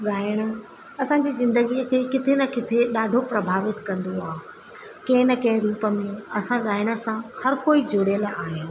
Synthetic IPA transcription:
ɠaːɪɽ̃ə̆ | ɐsãd͡ʑiːzɪ̃nd̪əɡiəkʰeːkɪt̪ʰenɐkɪt̪ʰeɗaːɖʱopɾɐbʱaːʋɪt̪kɐ̃nd̪oaːɦe | kɐ̃ɦɪ̃nɐkɐ̃ɦɪ̃ɾuːpə̆mẽɐsãɠaːɪɽ̃ə̆sãhɐɾkoːid͡ʑʱoɽjəlaːɦɪõ

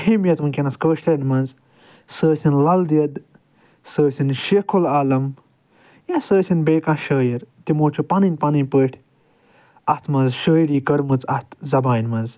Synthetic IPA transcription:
himjɐt͡s̪mɨkʲenɐskəːʃlɐnmɐnz | səːsinlɐld̪ɐd̪ | səːsinʃekʰolaːlɐm | jãsəːsʲinbeːkãːʃəːjiɾt̪imoːt͡ʃʰupɐnɨnʲpɐnɨnʲpəːʈʰʲ | ɐt̪ʰmɐnzʃəːjiɽiːkɐɾmɨt͡sɐt̪zɐbaːnmɐz

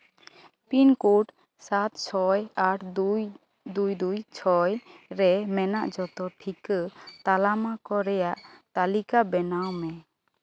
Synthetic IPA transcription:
pinkuʈ | sat̪̚t͡ʃʰɔjaɾd̪j | d̪ujd̪ujt͡ʃʰɔjɾɛmɛnaʔd͡ʒɔt̪ɔʈʰikət̪alamakɔɾɛjaʔt̪alikabɛnawmɛ

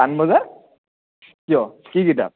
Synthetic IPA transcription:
anbɔzaɹ | kijɔkiɡita̰

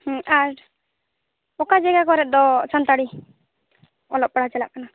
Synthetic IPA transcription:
hɛ̃aɾ | ɔkad͡ʒɛɡakɔɾɛt̪̚d̪ɔt͡ʃant̪aɽi | ɔlɔp̚paɽ̤at͡ʃɛla̰ʔkana

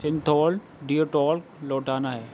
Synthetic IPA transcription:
sɪ̃nt̪ʰɔːl | ɖioʈɔːlklɔːʈaːnaɦɛː

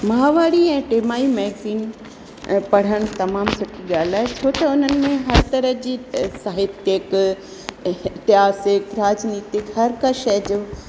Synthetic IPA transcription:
mɐɦaːʋaːɽiɛ̃ːʈeːmaːimɛ̃ːkiːn | pɐɽ̤əɽ̃t̪ɐmaːmsɐʈʰiɠaːl̤aːɦet͡ɕʰoːt̪ɐʊn̤ənɪ̆mẽɦɐɾt̪ɐɾəɦd͡ʑiːsaːɦɪt̪jək | ɪt̪ɪjaːsɪkɾaːd͡ʑniːt̪ɪkɦɐɾkɐʃəd͡ʑoː

